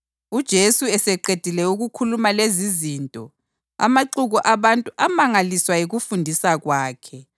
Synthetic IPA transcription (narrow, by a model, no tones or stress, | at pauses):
ud̥ʒ̥ʱesuɛsɛǃed̥ʱilɛuɣukʰulumalezizintʼɔ | a̰maǃuɣuʔaβantʼuʔamaŋaliswajiɣufundʱisaɣwaːkʰɛ